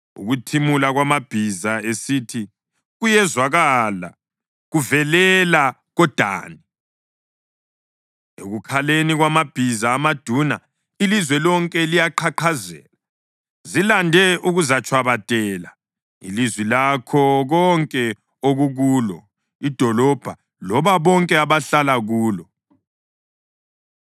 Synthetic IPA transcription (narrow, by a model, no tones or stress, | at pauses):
ṵɣutʰimulaɣwamab̥ʱizaesiːtʰi | ɣujɛzwaɣala̰ | ɣuvɛlɛla | ɣɔd̥ʱa̰ːni | eɣukʰaleniɣwamab̥ʱizaːmad̥ʱuna | ilizwɛlɔŋkʼɛlijaǃʰaǃʰazɛ̰ːla | zilandʱɛʔuɣuzat͡ʃʰʼwaβatʼɛːla | ḭlizwilakʰɔɣɔŋkʼɛ | oɣuɣuːlɔ̰ | id̥ʱɔlɔb̥ʱa | lɔβaβɔŋkʼɛaβaɬalaɣuːlɔ